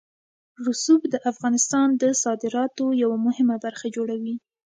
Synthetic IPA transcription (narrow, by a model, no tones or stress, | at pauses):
ɾʊsubd̪əʔafɣɑnɪst̪ɑnd̪əsɑd̪ɪɾɑt̪ojawamʊhɪmabaɾxad͡ʒoɽawi